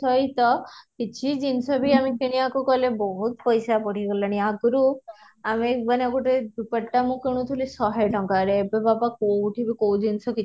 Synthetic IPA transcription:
ɔjt̪ɔkit͡ʃʰid͡ʒinsɔbʱiamikiɽ̃iakɔkɔlebɔɦut̪̚pɔjsapɔɽ̤iɡɔlaɽ̃iaɡɾu | amemaneɔkuʈed̪upəʈːamũkiɽ̃ũt̪ʰulisɔɦeʈɔŋkaɾeːbebabakowʈʰibʱikowd͡ʒinsɔki

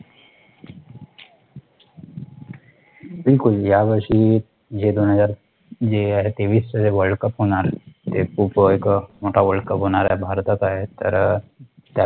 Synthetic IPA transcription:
bɪlkʊljabəʃi | d͡ʒed̪onɦəzaːɾ | d͡ʒeaɦet̪eːʋiːsəd͡ʒeʋəɭɖkəpɦonaɾt̪eupekmoːʈaʋəɭɖkəpɦoːnaɾaɦebʱaɾt̪ət̪aɦet̪ə̰ɾ | t̪a

